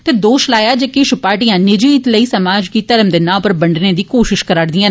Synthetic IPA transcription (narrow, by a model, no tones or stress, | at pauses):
t̪eːd̪oːʃlaːjaːd͡ʒəkɪʃʊpaːɾʈijãːnɪd͡ʒiːt̪ləiːsəmaːd͡ʒkiːt̪əɾəmd̪eːnãːpəɾbəɳɖneːd̪iːkoːʃɪʃkəɾaːɽd̪ɪjãː